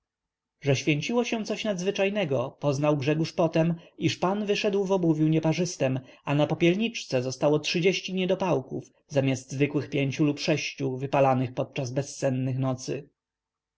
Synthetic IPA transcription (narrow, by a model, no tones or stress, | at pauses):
ʐɛɕfʲjeɲt͡ɕiwɔɕɛ̃t̪sɔɕnad̪zvɘt͡ʂajnɛɡɔpɔznawɡʐɛɡuʂpɔt̪ɛmiʂpanvɘʂɛd̪wvɔbuvʲjuɲɛpaʐɘst̪ɛmanapɔpʲjɛlɲit͡ʂt̪sɛzɔst̪awɔtʂɘd͡ʑeɕt͡ɕiɲɛd̪ɔpawkuv | zamʲjazd̪zvɘkwɘxpʲjeɲt͡ɕulupʂɛɕt͡ɕuvɘpalanɘxpɔt̪̚t͡ʂazbɛst̪sɛnːɘxnɔt̪sɘ̰